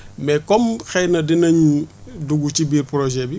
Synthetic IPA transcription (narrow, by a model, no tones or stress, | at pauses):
mɛkomxɛjnɐdinɐɲduɡucibiːɾpɾoʒɛbi